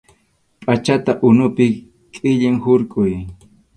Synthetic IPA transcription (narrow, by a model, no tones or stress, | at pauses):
pʼat͡ʃat̪aʔʊnʊpɪ | kʼɪʎɪŋhʊɾkʼʊj